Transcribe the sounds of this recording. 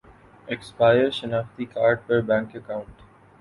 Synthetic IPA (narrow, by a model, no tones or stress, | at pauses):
ekspaɪəɾʃɐnaːft̪ikaːɾɖ̚pəɾbɛ̃ːŋkəkãʊ̃ɳʈ